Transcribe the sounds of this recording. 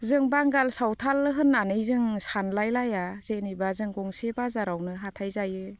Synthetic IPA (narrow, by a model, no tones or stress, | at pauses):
zɯŋbaŋɡalsawtʰalɦɯnːanɯjzɯŋsanlajlajaz̥enibazɯŋɡɔŋsebazaɾawnɯɦatʰajzajɯ